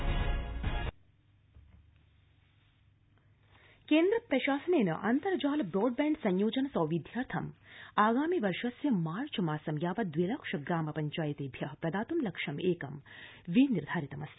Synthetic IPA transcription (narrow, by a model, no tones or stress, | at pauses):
keːnd̪ɾɐpɾɐʃaːsɐneːnɐ̰ʔɐnt̪ɐɾd͡ʒaːlbɾoːɖbɛːɳɖsɐ̃ɲjoːd͡ʒɐnɐsɔːʋid̪ʱjaːɾt̪ʰɐmaːɡaːmiʋɐɾʃɐsjɐmaːɾt͡ʃʰɐmaːsɐmjaːʋɐd̪ʋilɐkʂɐɡɾaːmɐpɐɲt͡ʃaːjit̪eːbʱjɐɦpɾɐd̪aːt̪umlɐkʂɐmeːkɐmʋiniɾd̪ʱaːɾit̪ɐmɐsjɐ